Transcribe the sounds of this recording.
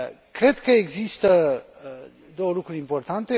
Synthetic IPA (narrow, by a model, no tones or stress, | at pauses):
kɾe̞d̪kəeɡzist̪ə | d̪o̞wəlukɾuɾʲimpo̞rt̪ant̪e